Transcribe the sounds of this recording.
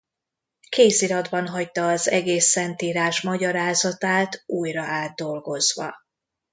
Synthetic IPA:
keːsiɾɒd̪bɒnɦɒct̪ɒːzɛɡeːsːɛnt̪iːɾaːʃmɒɟɒɾaːzɒt̪aːt̪uːjrɒʔaːd̪̚ːo̞lɡo̞zvɒ̰

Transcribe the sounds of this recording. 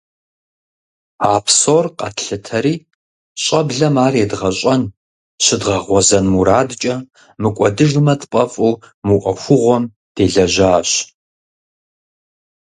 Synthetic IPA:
aːpsoːrqɐ̰tʰɬɨtʰɐɾiː | ɕʼɐbɮɐmaːreːdʁɐɕʼɐn | ɕɪdʁɐʁʷɔzɐnmuɾaːdt͡ʃʼɐ | mɨkʷʼɔdɨʒɨmɐtpʼɐfʼuːmɨʔʷʼɐxʷʊʁʷɔm | d̥eːɮɐʑaːɕ

